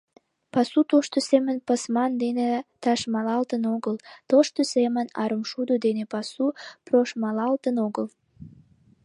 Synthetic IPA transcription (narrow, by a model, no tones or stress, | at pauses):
pɑsut̪oʃt̪osemənpɑsmɑnd̪enet̪ɑʃmɑlɑlt̪ənoɣəlt̪oʃt̪osemənɑɾəmʃud̪od̪enepɑsuproʃmɑlɑlt̪ənoɣəl